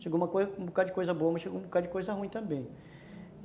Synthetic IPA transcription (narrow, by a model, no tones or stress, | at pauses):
ʃeɡoũmɐkozũbokad͡ʒɪkojzɐboɐmɐsʃeɡoũbokad͡ʒɪkojzɐɦũĩt̪ɐ̃mbẽj̃